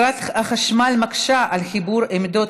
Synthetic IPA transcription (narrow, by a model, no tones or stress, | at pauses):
at̪aχaʃmalmakʃaʔalχibuʁemd̪o